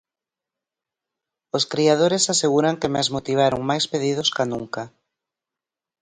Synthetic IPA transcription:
oskɾiað̞oɾesaseɣuɾaŋkemeazmot̪iβ̞aɾoŋmajspeð̞ið̞ʊskanuŋka

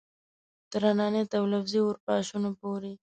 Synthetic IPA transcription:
t̪əɾanɑnet̪awlafziwəɾpɑʃunopoɾe

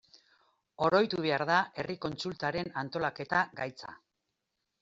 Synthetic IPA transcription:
o̞ɾo̞jt̪uβe̞aɾðae̞riko̞nt͡sult̪aɾe̞nant̪o̞lake̞t̪aɡajt͡sa̰

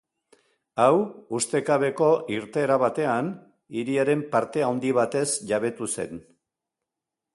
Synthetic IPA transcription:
awust̪e̞kaβe̞ko̞ʔiɾt̪e̞ːɾaβat̪e̞an | iɾiaɾe̞mpaɾt̪e̞awnd̪iβ̞at̪e̞sʝaβ̞e̞t̪use̞̰n

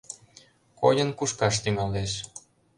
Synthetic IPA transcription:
kojə̆nkuʃkɑʃt̪yŋɑleʃ

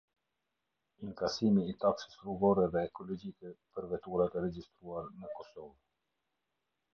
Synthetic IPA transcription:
iŋkasimiːt̪apsə̥sruɡɔɾɛðɛːkɔlɔd͡ʒikɛpəɾvɛt̪uɾat̪ɛɾɛd͡ʒist̪ɾuaɾnəkɔsɔv

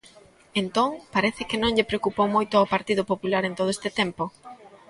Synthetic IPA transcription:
ent̪oŋpaɾɛθɪkɪnõŋʎɪpɾeokupowmojt̪ʊawpaɾt̪iðʊpopulaɾent̪oð̞oest̪ɪt̪ɛmpo

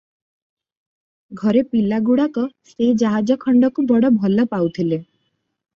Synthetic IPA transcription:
ɡʱɔɾepilaɡuɽakɔsed͡ʒaɦad͡ʒɔkʰɔɳɖɔkubɔɽɔbʱɔlɔpawt̪ʰile

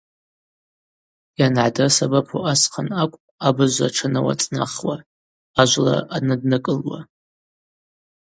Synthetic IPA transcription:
janʕadasabapʰoasqʰanakʷʼabɨʒʷa̰ʈ͡ʂʰanawa̰t͡sʼna̰χwa | aʒʷla̰anɨdnɨkʼɨlwa̰

